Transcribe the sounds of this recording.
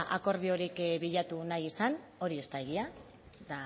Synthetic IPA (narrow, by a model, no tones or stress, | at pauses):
ʔako̞ɾð̞io̞ɾikβiʎat̪unajisano̞ɾie̞st̪aeɣia | ða